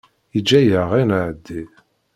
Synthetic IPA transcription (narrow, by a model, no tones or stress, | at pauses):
id͡ʒːæjəʁinʕəd̪ːi